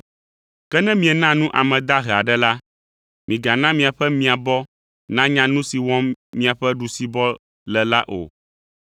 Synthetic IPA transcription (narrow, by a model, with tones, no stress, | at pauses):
kɛ˦nɛ̃˦mĩ˨ɛ˨nã˦nũ˦ʔa˨mɛ̃˨d̪a˦ɦɛ˨a˨ɖɛ˦la˦ | mĩ˨ɡa˨nã˦mĩ˨a˨ɸɛ˦mĩ˨a˨bɔ˦ | nã˦ɲã˦nũ˦si˨wɔ˦mːĩ˦a˨ɸɛ˦ɖu˨si˨bɔ˦ | lɛ˨la˦ʔo̰˨